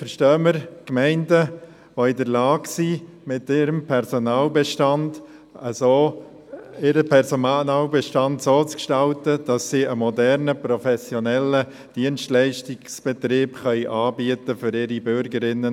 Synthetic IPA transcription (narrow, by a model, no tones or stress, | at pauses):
fəɾʃtœːməɾkmɛɪndə | ʋoɪdəɾlɑːɡsi | mɪtɪɾəmpʰɛɾsonɑːlbɛʃtɑnd | əsoː | ɪɾəpʰɛɾsoɑːlbɛʃtɑntsoːt͡skʃtɑltəd̥ɑsːiːəmɔdɛɾnəpɾɔfɛsjonɛlə | d̥iənstlæɪʃtɪɡsb̥ɛtɾeːbχœʏʔɑːbiətəfʏɾɪɾibʏɾɡəɾɪnːə